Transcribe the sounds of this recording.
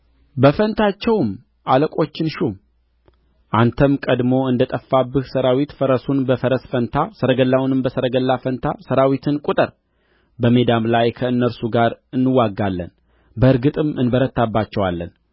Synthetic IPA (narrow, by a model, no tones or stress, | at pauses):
bəfənt̪ʰat͡ʃːɛwm | ʔaləkʼo̞t͡ʃːɪnʃum | ʔant̪ʰəmkʼəd̪mo̞ɨnd̪ət̪ʼəfːabːɨhsəɾawit̪fəɾəsunbəfəɾəsfənt̪ʰasəɾəɡəlːawnɨmbəsəɾəɡəlːafənt̪ʰasəɾawit̪ʰɨnkʼut̪ʼɨɾ | bəme̞d̪amlajkʰəɨnːəɾsuɡaɾɨnːɨwːaɡːalːə̰n | bəɨɾɡɨt̪ʼɨmɨnbəɾət̪ːabːat͡ʃːɛwalːən